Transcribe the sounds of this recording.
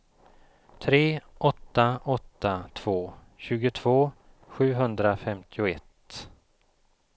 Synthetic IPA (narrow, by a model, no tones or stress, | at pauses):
t̪ʰɾeːʔɔt̪ːaɔt̪ːat̪ʰv̥oː | ɕʉ̟ːɡʊt̪ʰv̥oː | ɧʉ̟ːɦɵnd̪ɾafɛmt̪ʰɪʊɛt̪